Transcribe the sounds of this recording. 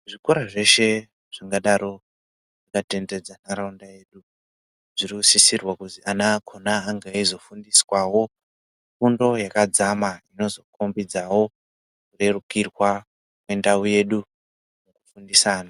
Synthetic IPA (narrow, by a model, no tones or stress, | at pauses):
ʐikoɾaʐe̞ʃe̞ | ʐ̥aŋɡaɗaɾo̞ | ʐikate̞nde̞d͡zanaɾaundaje̞ːɗu | ʐirikusisirwakutianaːkʰonaːŋɡaizo̞fundiswawo̞ | fundo̞jakad͡zamaino̞zo̞kʰombid͡zawo̞ | kure̞rukirwa | kwe̞ndauje̞ɗu | mukufundisaːna